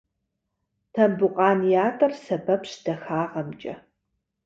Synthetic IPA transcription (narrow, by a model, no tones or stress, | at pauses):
tʰɐmbʊqʼɑːnjaːtʼɐrsɐbɐpɕd̥ɐxaːʁɐmt͡ʃʼɐ̰